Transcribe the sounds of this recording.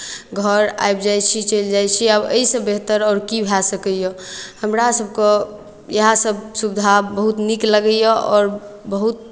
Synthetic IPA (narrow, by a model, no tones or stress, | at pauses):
ɡʱəɾa̰jbd͡ʒajt͡ʃʰit͡ʃəld͡ʒajt͡ʃʰiabə̰isə̃beɦt̪əɾɔːɾkibʱasəkəjɔhəmɾasəb̚ʱke | jəɦasəbsubd̪ʱabəɦut̪nikləɡəjəʔɔːɾbəɦut̪̚